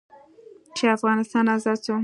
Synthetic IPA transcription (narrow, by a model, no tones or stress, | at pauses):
t͡ʃʰeafɣɑnɪst̪ɑnazɑso